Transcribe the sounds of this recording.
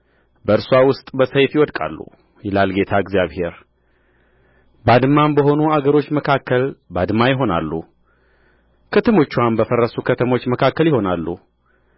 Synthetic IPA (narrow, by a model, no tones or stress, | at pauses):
bəɨɾsuawʊst̪ʼbəsəjfjɪwɔd̪kʼa̰lːṵ | jɛlalɡe̞t̪ʰaɡzjaβhe̞ɾ | bad̪mːambəɦo̞nuaɡəɾo̞t͡ʃːməkʰakːəlbad̪majɪɦo̞na̰lːṵ | kʰət̪ʰəmo̞t͡ʃːuwanbəfərːəsukʰət̪ʰəmo̞t͡ʃːməkʰakːəljɪho̞nalːṵ